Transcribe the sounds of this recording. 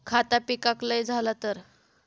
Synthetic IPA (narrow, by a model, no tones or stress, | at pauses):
kʰat̪apikakləjd͡zʱalat̪əɾ